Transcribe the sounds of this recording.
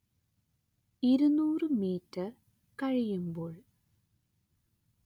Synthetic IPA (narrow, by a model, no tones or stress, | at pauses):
iɾunuːrɨmiːtːɨ | kɐɻijumboːɭ